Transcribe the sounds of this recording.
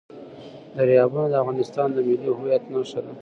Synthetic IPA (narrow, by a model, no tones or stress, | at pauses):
d̪əɾjɑbunod̪əafɣɑnɪst̪ɑnd̪əmɪliɦʊjat̪naʂt̪ad̪a